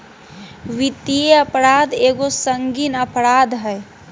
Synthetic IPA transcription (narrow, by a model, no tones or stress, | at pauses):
ʋit̪ieəpɾaːd̪eːɡosəŋɡinəpɾaːd̪ɦɛj